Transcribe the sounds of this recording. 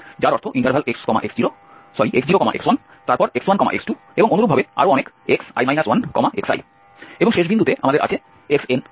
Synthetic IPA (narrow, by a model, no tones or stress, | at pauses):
d͡ʑaɾɔɾt̪ʰoʔiɳʈəɾbʱalʔekskɔma̰ʔeksd͡ʑiɾo | sɔɾiʔeksd͡ʑiɾokɔma̰ʔḛkswan | t̪aɾpɔɾekswankɔma̰ḛksʈu | eboŋonuɾubʱabea̰ɾoɔnek | eksa̰jmajnaswankɔ̰maḛksa̰j | eboŋʃeʃ̬bind̪ut̪eʔamad̪eɾa̰t͡ɕʰe | eksen